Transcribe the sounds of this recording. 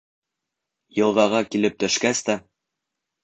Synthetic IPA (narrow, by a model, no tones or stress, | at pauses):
jɤ̆lˠʁɑʁɑkilɘp̚t̪ɵ̆ʃkæst̪æ